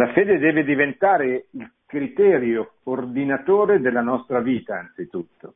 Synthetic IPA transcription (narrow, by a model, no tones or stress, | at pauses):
lafeːd̪ed̪ɛːved̪ivent̪aːɾeil | kɾit̪ɛːɾjoːrd̪inat̪oːɾed̪elːanɔst̪ɾaviːt̪aːnt̪sit̪ut̪ːo̥